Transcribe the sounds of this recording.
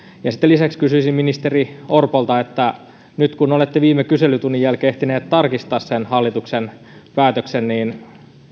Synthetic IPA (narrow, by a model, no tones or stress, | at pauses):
jɑsit̪ːelisækskysyisimminist̪eriorpolt̪ɑet̪ːæ | nyt̪kunolet̪ːeʋiːmekyselyt̪unːijælkeht̪ineːt̪t̪ɑrkist̪ɑːssenhɑlːit̪uksen | pæːt̪øksenniːn